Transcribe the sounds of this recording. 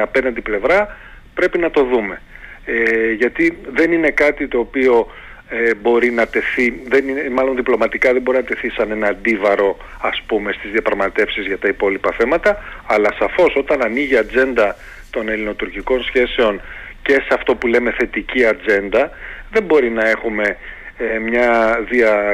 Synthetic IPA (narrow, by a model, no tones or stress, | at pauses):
ɐpe̞nɐnd̪iple̞vɾɐ | pɾe̞pinɐt̪o̞ðume̞ | eʝɐt̪iðe̞nine̞kɐt̪it̪o̞ːpio̞ | ebo̞ɾinɐt̪e̞θiðeninmɐlo̞nðiplo̞mɐt̪ikɐðembo̞ɾinɐt̪e̞θisɐne̞nɐːnd̪ivɐɾo̞ | ɐspume̞st̪izðiɐpɾɐɣmɐt̪e̞fsizʝɐt̪ɐipo̞lipɐθe̞mɐt̪ɐːlɐsɐfo̞so̞t̪ɐnɐniʝiɐd͡ze̞nd̪ɐ | t̪o̞ne̞lino̞t̪uɾciko̞nsçe̞seo̞n | ce̞seɐft̪o̞pule̞me̞θe̞t̪iciɐd͡ze̞nd̪ɐðe̞mbo̞ɾinɐe̞xume̞emɲɐðiɐ